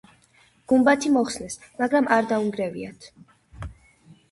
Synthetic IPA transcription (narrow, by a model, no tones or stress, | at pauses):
ɡ̥umbat̪ʰimɔχsnɛsmaɡɾamaɾd̪auŋɡɾɛvḭat̪ʰ